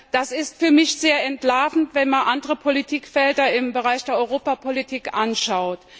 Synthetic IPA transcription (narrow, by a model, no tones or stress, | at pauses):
d̥asɪstfyːɐmɪçz̥eːɐɛntlaːfn̩tv̥ɛnmanʔandəʁəpʰolitʰiːkfɛldɐɪmbəʁaɪçd̥eːɐɔʏʁoːpapʰolitʰiːkʔanʃaʊt